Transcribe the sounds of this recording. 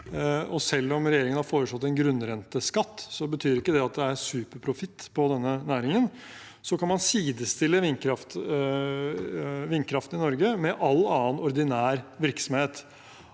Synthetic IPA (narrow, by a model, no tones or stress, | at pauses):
ɔsɛlːɔmɾɛjeːɾɪŋənhɑɾfoːɾəʂɔt̪ːɛnɡɾʉnːɾɛnt̪əskɑt̪ːsɔbət̪ʰyːɾɪkːəd̪ɛɑt̪̚d̪ɛæɾsʉːpəɾpʰɾʊfɪt̪ːpʰɔd̪ɛnːənæːɾɪŋən | sɔkʰɑnmɑnsiːd̪əst̪ɪlːəʋɪnkʰɾɑft̪ | ʋɪnːkʰɾɑft̪ənɪnɔɾɡəmɛʔɑlːɑːənɔɾd̪ɪnæːɾʋɪɾksɔmheːt̪